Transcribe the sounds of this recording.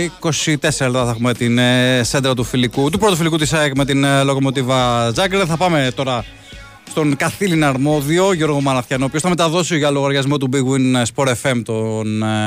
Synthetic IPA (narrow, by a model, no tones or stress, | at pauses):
ko̞sit̪e̞seɾɐlt̪ɐθɐxumet̪insed̪ɾɐt̪ufilikut̪upɾo̞t̪ofilikut̪̬iskme̞t̪inlo̞ko̞mo̞t̪ivɐzɐɡɾeðθɐpɐme̞t̪o̞ɾɐ | st̪o̞ŋkɐθilinɐɾmo̞ðio̞ʝo̞ɾɣo̞mɐɾɐθçɐnopiosθɐme̞t̪ɐðo̞sioʝɐloɣɐɾʝɐzmo̞t̪ubiɣwinspo̞ɾefe̞mt̪on